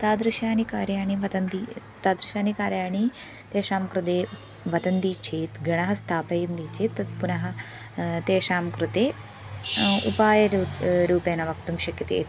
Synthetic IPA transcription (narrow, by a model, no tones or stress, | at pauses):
t̪aːd̪ɾɪʃaːnikaːɾjaːɳiʋɐt̪ɐnd̪iː | t̪aːd̪ɾɪʃaːnikaːɾjaːɳiː | t̪eːʃaːmkɾud̪eː | ʋɐt̪ɐnd̪iːt͡ʃʰeːt̪ɡɐɳ̃ɐɦɐst̪ʰaːpɐjnd̪iːt͡ʃʰeːt̪pʊnɐɦɐ | t̪eːʃaːmkɾut̪eː | upaːjɐɾɾuːpeːnɐʋɐkt̪umʃɐkit̪ḛːt̪